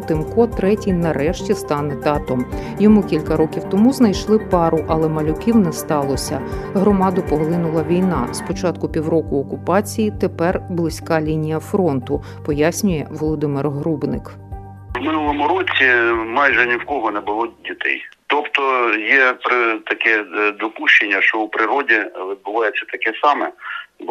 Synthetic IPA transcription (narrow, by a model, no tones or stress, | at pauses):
t̪ɪmkɔt̪ɾɛtʲijnɐɾɛʃtʲist̪ɑnɛd̪ɑt̪ɔm | jɔmukʲilʲkɐɾɔkʲiwt̪ɔmuznɐjʃlˠɪpɑɾʊʔɐlˠɛmɐlʲʊkʲiwnɛst̪ɑlˠɔsʲɐɦɾɔmɑd̪ʊpɔɦlˠɪnʊlˠɐʋʲijnɑ̰spɔt͡ʃɑt̪kʊpʲiwɾɔkʊɔkʊpɑt͡sʲijit̪epɛrblˠɪsʲkɑlʲinʲijɐfɾɔnt̪ʊ | pɔjasʲnʲʊjɛʋɔlˠɔd̪ɪmɪrɦɾubnɪk | wmɪnulˠɔmʊɾɔt͡sʲimɑjʒɛnʲiwkɔɦɔnɛbʊlˠɔdʲit̪ɛ̰jt̪ɔpt̪ɔjɛpɾɪt̪ɐkɛd̪ɔpuʃt͡ʃenʲːɐʃt͡ʃɔwpɾɪɾɔdʲiʋʲɪd̪̚bʊʋɑjɛt͡sʲːɐt̪ɐkɛsɑmɛ